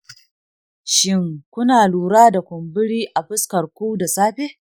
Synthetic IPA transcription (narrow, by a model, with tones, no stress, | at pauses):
ʃɪ˦ŋkʷʊ˦naː˨luː˨ɾaː˦da˨kʷʊ˨mbɪ˦ɽiː˦ʔa˨ɸɪ˦skɐ˨rkʷuː˦da˨saː˦ɸe˦